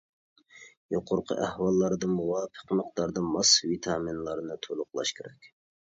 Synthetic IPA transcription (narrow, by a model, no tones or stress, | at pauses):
joqʰʊɾqʰə̰ʔæhwɑlˠːɑɾd̪ɨmuwɑːpʰə̥qməq̚d̪ɑɾd̪ɨmɑsvit̪ʰɑminlˠɑɾnɨt̪ʰolˠʊqlˠɑ̰ʃkʲʰeɾɛkʲ